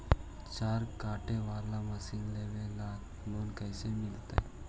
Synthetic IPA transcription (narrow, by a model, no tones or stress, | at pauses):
t͡ʃaːɾkaːʈeʋaːɾlaməsiːnleʋela | noːnkəjsemɪlt̪a̰e